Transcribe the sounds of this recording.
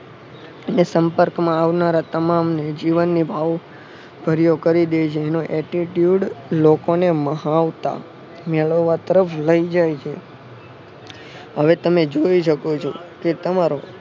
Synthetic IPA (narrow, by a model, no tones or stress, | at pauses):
enesəmpəɾkmãaʋnaɾat̪əmamned͡ʒiʋənːibʱaʋ | b̥ʱəɾjokəɾid̪et͡ʃʰeːnoʔɛʈiʈjuɖlokoneməɦaʋt̪a̰ | meɭəːat̪əɾəfʰləid͡ʒajt͡ʃʰe | ɦəʋet̪əmed͡ʒoiʃəkot͡ʃʰoket̪əmaɾo